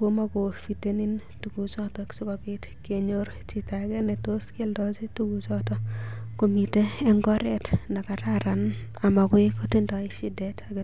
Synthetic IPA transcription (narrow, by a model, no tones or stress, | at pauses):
komakofitenin | tuɡut͡ʃɔtɔksikɔbɪt | keɲoɾ | t͡ʃitaɡɛnɛtoskeldɔsituɡut͡ʃɔtɔkomiteɛŋɡɔɾɛtnakaɾaɾan | amakwɪkotindɔɪʃidɛtʰaɡɛ